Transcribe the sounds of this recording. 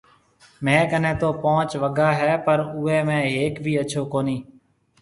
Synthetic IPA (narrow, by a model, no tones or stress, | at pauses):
mẽːkənẽːt̪oːpõːt͡ʃʋəɡaːɦɛːpəɾʊːeːmẽːɦeːkbʱiːət͡ʃʰoːkoːniː